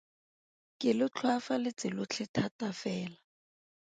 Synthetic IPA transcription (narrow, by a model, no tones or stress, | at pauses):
kʼɪlɪt͡ɬʰwafalɪt͡sɪlʊt͡ɬʰɪtʰatafɛːla